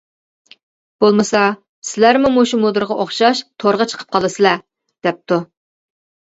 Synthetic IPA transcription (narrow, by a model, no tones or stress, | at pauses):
b̥olˠmɨsɑ | sɪlæɾmumoʃumod̪ɨɾʁɑʔoχʃɑʃt̪ʰoɾʁɑt͡ʃʰə̥qʰə̥p̚qʰɑlˠɨsɨlɛæ | d̪̥ɛp̚t̪ʰu